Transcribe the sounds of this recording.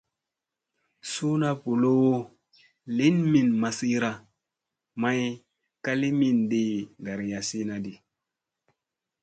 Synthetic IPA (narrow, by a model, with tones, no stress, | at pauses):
su˦na˦pu˨lo˦wo˦ | li˦nmi˨nma˨si˦ɾa˨ | ma˦j | ka˦li˦mi˨nde˨da˨ɾja˨si˦na˦di˨